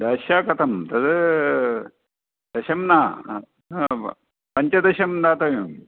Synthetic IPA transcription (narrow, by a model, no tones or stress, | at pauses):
d̪aːɕjaːkɐt̪ʰɐmt̪ɐd̪ | d̪ɐɕɐmnaː | pɐɲt͡ʃɐd̪ɐɕɐmd̪aːt̪ɐʋjum